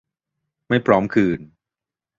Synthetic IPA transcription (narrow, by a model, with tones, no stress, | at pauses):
ma˥˩jpʰɾɔː˦˥mkʰɯː˧n